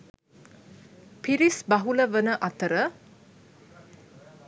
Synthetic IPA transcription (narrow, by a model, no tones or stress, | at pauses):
pʰiɾisbaɦuləʋənəʔat̪əɾə